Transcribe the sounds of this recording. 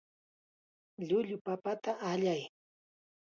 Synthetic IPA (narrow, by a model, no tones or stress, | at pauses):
ʎʊʎʊpapat̪aʔaʎaj